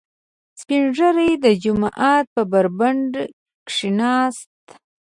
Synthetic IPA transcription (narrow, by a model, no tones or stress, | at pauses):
spiɳʐəɾəjd̪əd͡ʒʊmɑʔɑt̪̚pəbaɾbaɳɖ | kʂinɑst̪